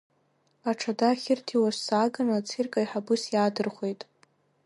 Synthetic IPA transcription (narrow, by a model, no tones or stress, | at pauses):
aʈ͡ʂʰadaχʲɪrtʰiwassaɡanat͡sʰirkʼaiħabɨsjadɨrχʷe̞jtʼ